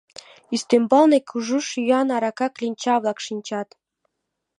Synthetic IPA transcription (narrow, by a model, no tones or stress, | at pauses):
yst̪embɑlˠnekʲʰuʒuʃyjɑnɑɾɑkɑklʲinʲt͡ɕɑβlˠɑkʃinʲt͡ɕɑt̪